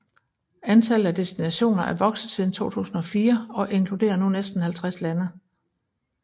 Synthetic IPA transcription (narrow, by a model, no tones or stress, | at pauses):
ænt͡sʰæləæd̥e̝sd̥inæɕo̝̰ːnɐʔæɐʋɒ̽ɡ̥sð̩ˠsið̞ˠn̩t͡sʰo̝̰ːt͡sʰṵːsn̩ɒ̽fiːɐɒ̽ʔe̝ŋkʰlude̝̰ːɐnunesd̥n̩hælt͡sʰʁaslænə